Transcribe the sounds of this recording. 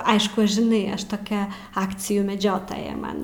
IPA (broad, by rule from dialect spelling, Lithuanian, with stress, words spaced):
ˈɐɪʃkʊ ʒʲɪˈnɐɪ ˈɐʃ toːˈkʲɛ ˈɑːkt͡sʲɪjuː mʲɛˈd͡ʒʲoːtoːjɛ ˈmɐn